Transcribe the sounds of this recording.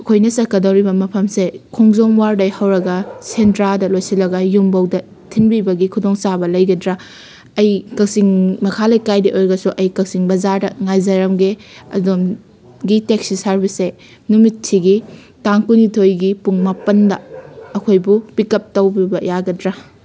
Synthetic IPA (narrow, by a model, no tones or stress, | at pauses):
ɐkʰojnɐsɐkːɐdɐwɾibɐmɐpʰɐmsekʰɔŋzoŋwaɾdɐjhɐwɾɐɡɐsentɾaldɐlojsilɐɡɐjumbɐwdɐ | tʰinbibɐɡikʰudoŋsabɐlɐjɡɐdɾɐ | ɐjkɐk̚siŋmɐkʰalɐjkajdiʔojɾɡɐsuʔɐjkɐk̚siŋbɐzaɾdɐŋajzɐɾɐmɡeɐ̰dom | ɡiteksisaɾbɐse | numit̚tʰːiɡi | taŋkunitʰojɡipuŋmɐpɐndɐɐkʰojbupikɐp̚tɐwbibɐjaɡɐdɾa